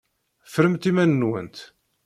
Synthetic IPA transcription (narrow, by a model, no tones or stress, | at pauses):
fɾəmt̪imænːwə̰nt̪